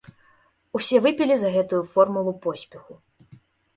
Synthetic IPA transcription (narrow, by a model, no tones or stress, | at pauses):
usʲɛvɨpʲilʲizɐɣɛt̪ujufɔrmulˠupɔsʲpʲɛxu